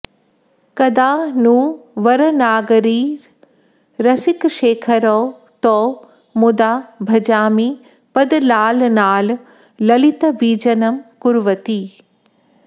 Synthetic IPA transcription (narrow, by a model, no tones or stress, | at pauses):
kɐd̪aːnũːʋɐɾnaːɡɾiː | ɾɐsɪkʃeːkʰɐɾoː | t̪oː | mʊd̪aːbʱɐd͡ʒaːmiː | pɐd̪laːlnaːlː | ɐlɪt̪ɐʋiːd͡ʒɐnɐmkʊɾʋɐt̪iː